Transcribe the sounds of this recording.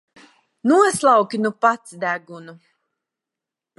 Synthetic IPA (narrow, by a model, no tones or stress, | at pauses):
nuɔslˠawkʲinupat̪sd̪æɡunu